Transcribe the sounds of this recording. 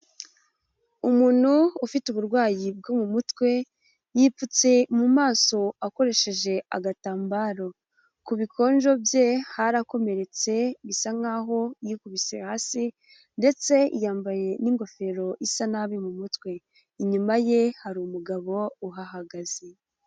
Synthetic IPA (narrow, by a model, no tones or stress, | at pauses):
umuːn̥huːfituβuɾɡwaːjib̚ɡomumutwe̞ | jiːput͡se̞mumaːso̞ako̞ɾe̞ʃe̞ʒe̞ʔa̰ɡataːmbaːɾo̞ | kuβikʰo̞ːnʒo̞bjehaɾako̞me̞ɾe̞t͡se̞βisaŋaɦo̞ijikuβisḛhaːsi | nde̞t͡se̞ḭjaːmbaje̞niŋɡo̞fe̞ɾo̞ʔisanaβimumutkwe̞ | iɲumaje̞haɾumuɡaβo̞uɦaɦaɡaze̞